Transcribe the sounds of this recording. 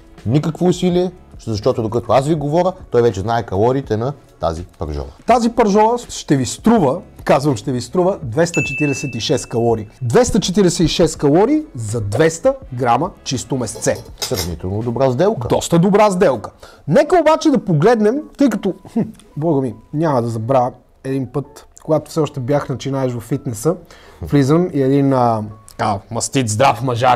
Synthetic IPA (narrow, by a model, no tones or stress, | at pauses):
nikəkvoːsiliɛzɐʃt̪ɔt̪od̪okət̪oasviɡovɔɾʲət̪ɔjvɛt͡ʃɛznaɛkɐlˠɔɾit̪ɛnɐ | t̪a̰zipɐ̰ɾʒɔ̰lˠɐ̰t̪azipɐɾʒɔɾˠəʃt̪ɛvist̪ɾuvəkazvɐmʃt̪ɛvist̪ɾuvəd̪vɛst̪ət͡ʃɛt̪iɾɛsɛt̪iʃɛskɐlˠɔɾid̪vɛst̪ət͡ʃɛt̪iɾɛsɛiʃɛskɐlˠɔɾizɐd̪vɛst̪əɡɾamɐt͡ʃist̪ʊmɛst̪sɛsɾɐ̰vnḭt̪ɛlˠnod̪ʊbɾazd̪ɛlˠkə̰d̪ɔst̪əd̪obɾazd̪ɛlˠkə̥nɛkəobat͡ʃɛd̪ɐpoɡlɛd̪nɛmt̪ɤjkɐt̪oh̩ | bɔɡəminʲamɐd̪ɐzɐbɾavə | ɛd̪inpɤt̪koɡat̪ʊ̥fsɛɔʃt̪ɛbjaxnɐt͡ʃinaɛʃvɐfːit̪nɛsəflizəmiɛd̪inətt̪ɐ̥kamɐst̪it̪zd̪ɾafmɐʒaɾ